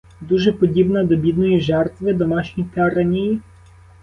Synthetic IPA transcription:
d̪uʒɛpod̪ʲibnad̪ɐbid̪noiʒɛɾt̪vɛd̪omaʃnʲit̪ɛaɾɐnʲiː

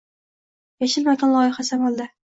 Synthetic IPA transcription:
jaʃɪlmaɡʲanlˠɒjɪχasamɒlˠd̪a

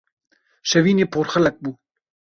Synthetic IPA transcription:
ʃɛviːneːpʰoːɾxəlɛk̚buː

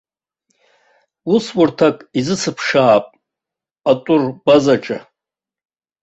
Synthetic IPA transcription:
uswʊrtʰakʼizɨsɨpʰʂaːpʼ | atʼʊrbazaʈ͡ʂʼa̰

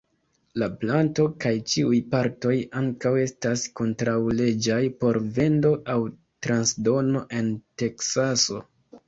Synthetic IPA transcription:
laplanto̞kajt͡ʃiujpaɾto̞jaŋkawe̞stasko̞ntɾawle̞d͡ʒajpo̞ɾve̞ndo̞ʔaw | tɾansdo̞no̞ʔe̞nte̞ksaso̞

